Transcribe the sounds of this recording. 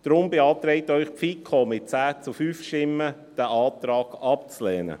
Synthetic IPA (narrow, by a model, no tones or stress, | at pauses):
d̪̥ɾʊmbeɑːtɾɛɪtœʏχpfikʰomɪt̚t͡sæːt͡sufyːfʃtɪmːə | d̥æʔɑːtɾɑːɡ̥ɑp̚t͡slɛːnə̰